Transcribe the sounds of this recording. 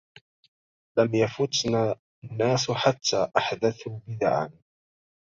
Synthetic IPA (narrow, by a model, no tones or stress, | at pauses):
lamjafʊt̪naː | nːaːsħat̪ːaːʔaħd̪aθhʊbɪd̪aʕa̰n